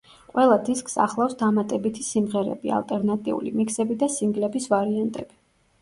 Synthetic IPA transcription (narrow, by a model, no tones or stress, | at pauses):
qʼwɛlˠad̪iskʰʼsa̰χlˠafsd̪amat̪ʼɛbit̪ʰisimʁɛɾɛ̰bia̰lˠt̪ʼɛɾnat̪ʼiṵlḭmikʰsɛbid̪asiŋɡlɛbisvaɾiant̪ʼɛ̰b̥i